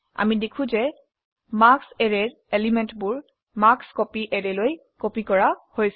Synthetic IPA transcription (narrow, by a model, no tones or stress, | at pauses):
a̰midekʰũzɛ | maksɛɹɛɹ | elimɛntbʊɹ | makskopiʔɛɹɛloj | kopikɔɹahojs